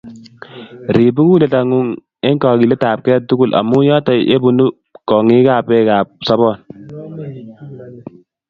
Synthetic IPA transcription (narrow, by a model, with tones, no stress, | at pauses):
ɾi˨bu˦ku˦le˨ta˨ŋu˦ŋ | e˦ŋkɔː˨ki˨le˦ta˨p̚kɛː˦tu˦ɡu˦˨lʔa̰˨mu˦jɔː˦ta˨ḛ˦bu˨nu˦ | kɔ˨ŋi˦kaː˨pɛ˦kaː˨p̚sɔ˦bɔ˦˨n